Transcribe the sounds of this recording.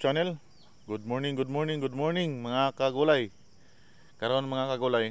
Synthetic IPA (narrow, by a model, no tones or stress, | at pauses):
t͡ʃanɛl | ɡʊd̪̚moɹnɪŋɡʊd̪̚moɹnɪŋɡʊd̪̚moɹnɪŋmaŋakaɡulaj | kaɾaonmaŋakaɡulaj